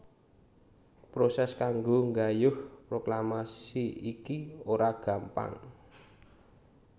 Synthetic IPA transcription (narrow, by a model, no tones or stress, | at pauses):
pɾosɛskaŋɡoŋɡajʊhpɾoklamassiikioɾaɡ̥a̤mpa̰ŋ